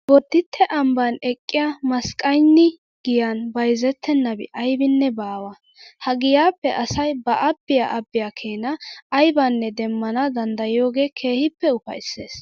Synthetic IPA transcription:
bɔd̪ːɪt̪ʰːɛʔɐmbɐnɛkʼːɪjamɐskʼːɐjnːɪ | ɡ̥ɪjanbɐjzɛt̪ʰːɛnːɐbɪ̰ʔɐjbɪnːɛbaːwɐ | hɐɡɪjaːpːɛʔɐsɐjbɐʔɐbːɪjaʔɐbːɪjaːkʰeːnɐːjbɐnːɛd̪ɛmːɐnɐd̪ɐnd̪ɐjɪjo̞ːɡe̞ːkʰe̞ːhɪpːɛʊpɐ̰jsːe̞̰ːs

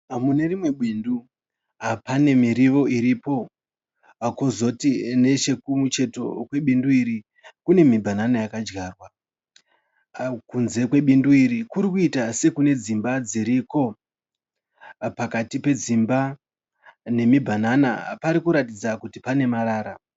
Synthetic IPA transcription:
mune̞rimwe̞ɓwindu | ɦapane̞miɾiʋo̞iɾipo̞ | kozo̞tine̞t͡ʃe̞kumut͡ʃe̞to̞̰kwe̞ɓinduiɾi | kune̞mibʱananajakad͡ʒɡaːrwa | kunze̞kwe̞ɓinduiɾikuɾikuitase̞kune̞d͡zimbad͡ziɾiko̞ | pakatipe̞d͡zimba | ne̞mibʱanana̰paɾikuɾatid͡zakutipane̞maɾaːɾa

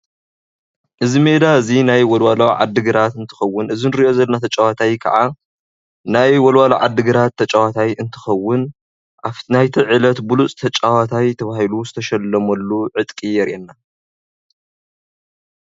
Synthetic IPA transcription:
ʔɨzime̞d̪aɨzinajwɐlwalawʕa̰d̪ːɨɡɨɾat̪ɨnt̪ʰɨ̥xɐwːʊnɨzinɨɾiʔo̞zɐlnat̪ʰɐt͡ʃʼawat̪ʰajkʰɐ̰ʕa | najwɔlwalaʕa̰d̪ːɨɡɨɾat̪ʰːɐt͡ʃʼawat̪ʰajɨnt̪ʰɨ̥xɐwːʊn | ʔafnajt̪ʰiʕɨlɐt̪bulut͡sʼt̪ʰɐt͡ʃʼawat̪ʰajt̪ʰɐβahiluzɨt̪ʰɐʃɐlːɐmɐlːuʕɨt̪ʼkʼijɛɾʔɛnːa

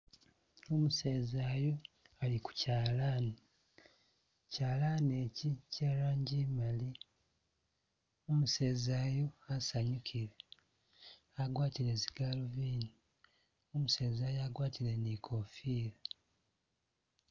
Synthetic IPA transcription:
omuse̞ːzaːjo̞aliku̥caːlaːni | caːlaːnecicaɾaːɲɟimali | omuse̞ːzaːjo̞asaɲukʰiɾe | aɡwaːtiɾeziɡaloviːni | omuse̞ːzaːjoaɡwaːtilenikʰofiːɾa

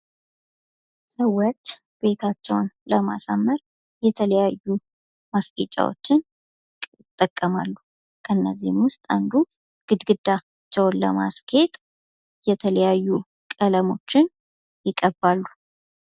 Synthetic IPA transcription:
səwːot͡ʃː | b̥e̞t̪ʰat͡ʃːɛwnləma̰samːəɾ | jɛt̪ʰələjajːu | mast̪ʰʼet͡ʃʼːa̰wo̞̰t͡ʃːɪn | ɪt̪ʼːəkʼːəmalːu | kʰənːəzːihmwʊst̪ʼand̪u | ɡ̥ɨd̪ɡɨd̪ːa | t͡ʃːɛwnlə̰ma̰skʰe̞t̪ʼ | jɛt̪ʰələjajːu | kʼələmo̞̰t͡ʃːɪn | jɪkʼːəbalːu

